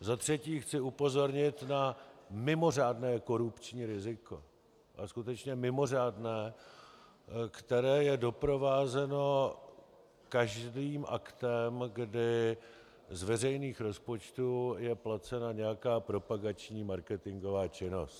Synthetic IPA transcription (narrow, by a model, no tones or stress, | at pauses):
zat̪r̝̥ɛciːxt͡sɪupo̞zo̞ɾɲɪt̪namɪmo̞r̝aːdnɛːko̞ɾupt͡ʃɲiːɾɪzɪko̞ | ʔaskut̪ɛt͡ʃɲɛmɪmo̞r̝aːdnɛː | kt̪ɛɾɛːjɛdo̞pɾo̞vaːzɛno̞ | kaʒdiːmʔakt̪ɛmɡdɪ | zvɛrɛjniːxɾo̞spo̞t͡ʃt̪ujɛplat͡sɛnaɲɛjakaːpɾo̞paɡat͡ʃɲiːmaɾkɛt̪ɪŋɡo̞vaːt͡ʃɪno̞st̪